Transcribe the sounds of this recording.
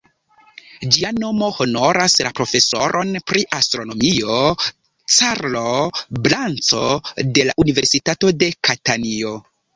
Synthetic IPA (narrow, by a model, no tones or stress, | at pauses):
d͡ʒiano̞mo̞ho̞no̞ɾaslapɾo̞fe̞so̞ɾʔo̞npɾiʔastɾo̞no̞mio | t͡saɾloblant͡so̞̰de̞la̰ʔunive̞ɾsitato̞de̞katanio̞